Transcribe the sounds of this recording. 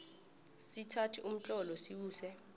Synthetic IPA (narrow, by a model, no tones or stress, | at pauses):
sitʰatʰiʔum̩t͡ɬʼɔlɔsiwuːsɛ